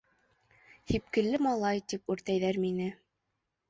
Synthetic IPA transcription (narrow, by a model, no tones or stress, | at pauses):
hip̚kɘ̆lːɘmɑlˠɑjt̪ipʉɾt̪æjðæɾminɘ